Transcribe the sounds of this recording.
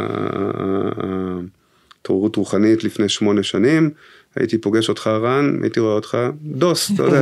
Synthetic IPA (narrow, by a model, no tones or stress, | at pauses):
t̪ouʁutʁuχanitlifne̞jʃmo̞ne̞ʃanim | a̰jʔḭtipo̞ɡe̞ʃo̞tχaʁana̰ʔitiʁo̞eot̪χado̞stajode